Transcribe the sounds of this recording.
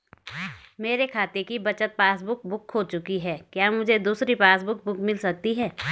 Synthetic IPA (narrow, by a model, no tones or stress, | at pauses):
meːɾekʰaːt̪ekibɐt͡ʃət̪̚paːsbʊk̚bʊkɦot͡ʃʊkiɦɛːkjaːmʊd͡ʒʱed̪uːsɾipaːs̬bʊk̚bʊkmɪlsɐk̚t̪iɦɛː